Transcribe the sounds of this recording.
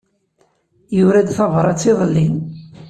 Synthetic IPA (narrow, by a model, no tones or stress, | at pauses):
jʊɾæd̪θɑvɾˤɑt͡sːiðˤəlːin